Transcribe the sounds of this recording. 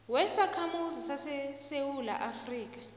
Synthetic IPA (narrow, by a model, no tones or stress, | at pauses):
wɛsakʰamuzisasɛsewula̰ʔafriːk̬ḁ